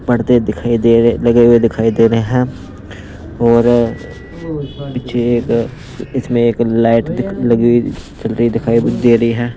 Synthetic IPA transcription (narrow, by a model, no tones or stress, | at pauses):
pɐɽ̤t̪eɪkʰaielɐɡeɦwed̪ɪkʰaːid̪eːɾɐɦeɦɛ̃ː | ɔːɾ | pɪt͡ʃʰeeːk | ɪsmẽeːklaːɪʈd̪ɪlɐɡeit͡ʃɐlɾəid̪ɪkʰaːid̪eːɾɐɦiɦɛ̃ː